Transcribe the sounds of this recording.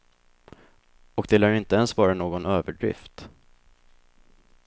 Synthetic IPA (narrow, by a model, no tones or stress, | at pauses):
ɔkd̪ɛlaɾɪnt̪əɛnsvɑːɾanoːɡɔnøːvəɖɾɪ̰ft̪